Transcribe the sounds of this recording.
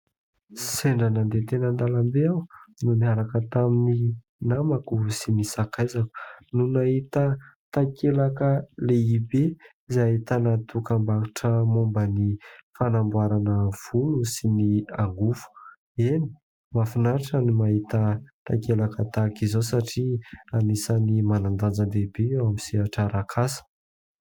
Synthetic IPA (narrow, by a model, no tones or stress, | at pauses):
seɳɖ͡ʐanand̪et̪enənd̪alambeawnuniaɾakət̪amini | namakusinisakajzaku̥nunaɦit̪ət̪akelakəleibeizait̪anat̪ukambakiʈ͡ʂəmombənifanambuaɾanəv̥unusiniaŋɡufu̥ | eni̥ | mafunaɾʈ͡ʂanimaɦit̪ət̪akelakət̪akizosaʈ͡ʂianisanimanand̪and͡zand̪ebeamisiaʈ͡ʂaɾakʰasə̥